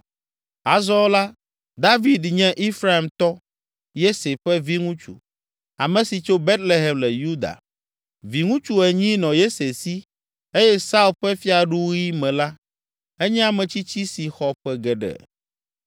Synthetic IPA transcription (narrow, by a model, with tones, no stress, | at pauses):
a˨zɔ˦la˦ | d̪a˦vi˨d̪ɲɛ̃˦ʔi˦fɾa˦e˨mt̪ɔ˦ | je˦se˨ɸɛ˦vi˦ŋũ˦t͡ʃṵ˨ | a̰˨mɛ̃˨si˨t͡ʃo˦be˦t̪le˦ɦɛ˨mlɛ˨ju˦d̪a̰˨ | vi˨ŋũ˦t͡ʃu˦ɛ˨ɲĩ˦nɔ̃˨je˦se˨si˦ | e˦jɛ˦sa˦u˦˨lɸɛ˦fi˦a˨ɖu˦wu˦ji˦mɛ̃˨la˦ | ɛ˦ɲɛ̃˦a˨mɛ̃˨t͡ɕi˦t͡ɕi˦si˨xɔ˨ɸɛ˦ɡɛ˨ɖɛ̰˨